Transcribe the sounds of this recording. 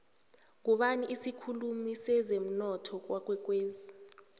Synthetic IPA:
ŋuɓaniʔisikʰulumisɛzem̩nɔtʰɔk̬ʼwak̬ʼwɛk̬ʼweːzi

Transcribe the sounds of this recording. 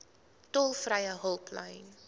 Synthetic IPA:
tɔlˠfrɐjəɦəlˠpʰlɐ̰jn

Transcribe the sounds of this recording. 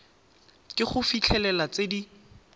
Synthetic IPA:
kʼɪχʊfit͡ɬʰɛlɛlat͡sedi

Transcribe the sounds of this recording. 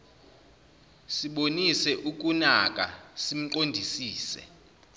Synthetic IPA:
siɓonisɛʔuk̬ʼunak̬ʼa̰sim̩ǃondʱisiːsɛ̰

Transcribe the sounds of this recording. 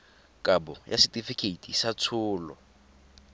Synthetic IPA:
kʼabɔjʔasitʼifikʰʼeitʼisat͡sʰʊːlɔ̰

